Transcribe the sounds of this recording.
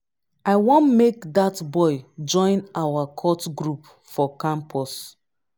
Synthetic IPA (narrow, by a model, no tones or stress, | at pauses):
aɪwɔ̃nmekdatbɔɪd͡ʒɔ̃ɪ̃nawakʰɔtɡɹup | fɔkãmpʰɔs